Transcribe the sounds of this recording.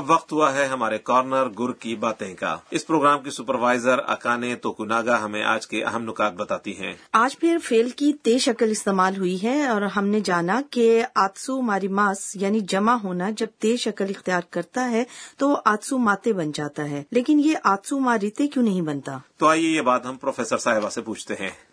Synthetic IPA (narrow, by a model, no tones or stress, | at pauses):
ɐbʋɐqt̪ɦuaɦɛɦɐmaːɾekɔːɾnəɾɡʊɾkibaːt̪ẽka̰ːɪspɾoːɡɾaːmkisʊpəɾʋaːɪzəɾɐ̰kaːnet̪oːkunaːɡaɦɐmḛ̃ʔa̰ːd͡ʒkeʔɐ̰ɦəmnʊkaːt̪̚bɐt̪aːt̪iɦɛ̰̃ːaːd͡ʒpʰɪɾfeːlkit̪eːʃɐkəlɪst̪eːmaːlɦʊiɦɛɔːɾɦɐmned͡ʒaːnakeaːd̪sumaːɾimaːsjaːnid͡ʒɐmaɦoːnad͡ʒɐb̚t̪eːʃɐkəlɪxt̪ijaːɾkɐɾt̪aɦɛt̪oʔaːd̪sumaːt̪ebɐnd͡ʒaːt̪aɦɛːleːkɪnjeʔaːd̪sumaːɾɪt̪ekjũːnɐɦĩbɐnt̪aːt̪oaːijejebaːd̪ɦɐ̃mpɾoːfʰɛːsəɾsaːɦɪbasepuːt͡ʃʰt̪eɦɛ̰̃ː